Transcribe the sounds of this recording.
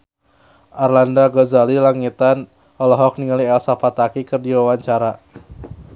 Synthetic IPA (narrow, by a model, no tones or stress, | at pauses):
ʔarlandaɡɔzalilaŋit̪an | ɔlɔɦɔk̚niŋaliɛlsapat̪akikərdiwawaɲt͡ʃaɾa